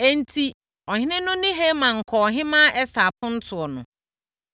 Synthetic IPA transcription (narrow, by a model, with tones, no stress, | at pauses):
e˨n̩˨tʰi˦ | ɔ˨hɪ̃˦nɪ̃˦nʊ̃˦nɪ̃˦ɦe˦mã˨ŋ̩˨kʰɔ˨ɦɪ̃˦mã˦ʔɛ˦sa˨pʰʊ̃˦n̩˦tʰʊ˨ɔ˨nʊ̰̃˨